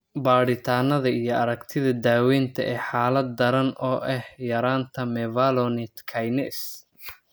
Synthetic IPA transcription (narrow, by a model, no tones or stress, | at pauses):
baːɽɪt̪ʰaːnɐðɐijɞɐɾɐɡt̪ʰɪðɐd̪aːwɛːnt̪ʰɐ̰ʔɛːħaːlɐd̪̚ːɐɾɐnʔɔːʔɛhhjɐɾaːnt̪ʰɐmɛvalɔnɪt̪kʰɐjnɛs